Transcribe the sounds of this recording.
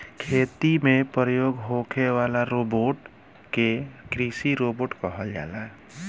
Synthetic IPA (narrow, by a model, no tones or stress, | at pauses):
kʰet̪imepɾəjoːɡɦokʰeʋalaɾoboʈ | kekɾisiɾoboːʈkəɦəld͡ʒa̰la